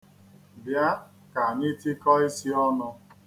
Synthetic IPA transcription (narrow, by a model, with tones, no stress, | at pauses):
bja˦ | ka˨ɲi˦ti˦kɔ˦i˦si˦ɔ˦nʊ˧